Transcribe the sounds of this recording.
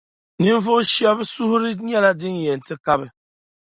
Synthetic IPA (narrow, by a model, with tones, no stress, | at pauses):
ni˦ɱ˦vo˦ʃjɔ˦bsu˦hu˦ɾi˦ɲɛ˦la˦di˦ŋ˨je˨n̩˨ti˦ka˦bɛ˨